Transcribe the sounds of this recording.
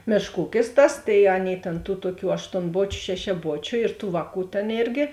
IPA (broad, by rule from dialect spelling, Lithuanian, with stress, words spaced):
ˈmʲeːʃk ˈuːkʲɪs ˈtɐs tɐɪ ˈɑːˌnʲeːɪ tʲeːn tuː ˈtuɔˌkʲuː ɐʃtoːnˈboːt͡ʃʲʊ ʃʲɛʃʲɛˈboːt͡ʃʲʊ ɪr tuː ˈʋɑːˌkuː tʲeːn ˈeːrʲɡʲɪ